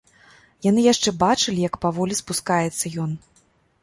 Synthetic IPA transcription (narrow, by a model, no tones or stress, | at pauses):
janɨjaʂt͡ʂɛbat͡ʂɨlʲijɐkpavɔlʲispuskajɛt̪sːɐjɔn